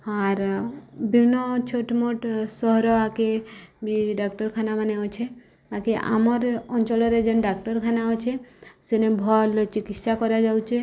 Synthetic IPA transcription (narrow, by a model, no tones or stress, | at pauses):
aɾbʱinɔt͡ʃʰoʈmoʈsɔɦɾɔakebiɖakʈɔɾkʰanamaneɔt͡ʃʰe | bakiʔa̰mɔɾɔnt͡ʃɔlɔɾed͡ʒenɖak̚ʈɔɾkʰanaɔt͡ʃʰesenebʱɔlt͡ʃikit̪ʃakɔɾjad͡ʒawt͡ʃʰe